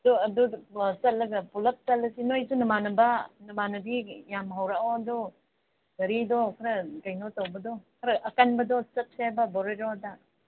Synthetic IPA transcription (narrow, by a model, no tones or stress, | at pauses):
ɐduɐdusɐt̚lɐɡɐpulɐk̚t͡ʃɐlɐsinojsunɐmanɐbɐnɐmanɐbijamɦawɾaodɔ | dɐɾidɔkʰɐɾɐkɐjnotowbɐdɔkʰɐɾɐʔɐkanbɐdɔsɐt̚sabɐboɾeɾodɐ